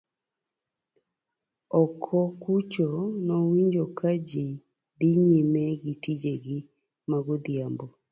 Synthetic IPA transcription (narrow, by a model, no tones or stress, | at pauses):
ɔkʰɔkut͡ʃɔnɔwiɲd͡ʒɔkad͡ʒi | d̪ɪɲimɛɡitid͡ʒeɡɪ | maɡod̪jambɔ